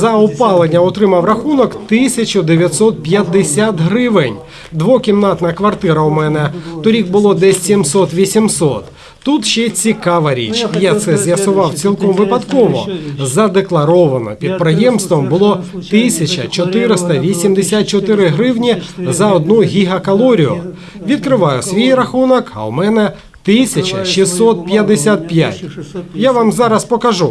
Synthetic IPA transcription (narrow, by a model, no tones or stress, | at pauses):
zɐʊpɑlˠenʲːɐɔt̪ɾɪmɐwrɐxunɔkt̪ɪsʲɐt͡ʃʊd̪eʋʲjɐt̪sɔt̪̚pʲjɐd̪ːesʲat̪ɦɾɪʋɪnʲ | d̪ʋɔkʲimnɑt̪nɐkʋɐrt̪ɪɾɐʊmɛnɛt̪ɔɾʲik̚bʊlˠɔd̪ɛsʲimsɔt̪ʋʲisʲimsɔt̪ː | ut̪ʃt͡ʃɛt͡sʲikɑʋɐɾʲḭt͡ʃjat̪sɛzʲʋjɐsʊʋɑwt͡sʲilˠkɔmʋɪpɐd̪kɔʋɔ̰zɐd̪eklˠɐɾɔʋɐnɔ̰pʲid̪̚pɾɪjɛmst̪ʋɔmbʊlˠɔt̪ɪsʲɐt͡ʃɐt͡ʃɔt̪ɪɾɪst̪ɐʋʲisʲimd̪esʲat̪̚t͡ʃɔt̪ɪɾɪɦɾɪwnʲizɐɔd̪nuɦʲiɦɐkɐlˠɔɾʲiɔ̰ | ʋʲid̪̚kɾɪʋɑjʊsʲʋʲijɾɐxunɔkɐ̰wmɛnɛ | t̪ɪsʲɐt͡ʃɐʃisːɔt̪̚pjɐd̪ːesʲat̪̚pʲja̰tʲjaʋamzɑɾɐspɔkɐʒu